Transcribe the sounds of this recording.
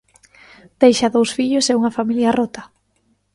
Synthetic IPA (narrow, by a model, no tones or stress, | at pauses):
d̪̥ejʃɐðowsfiʎʊsɛuŋɐfamiljɐrot̪ɐ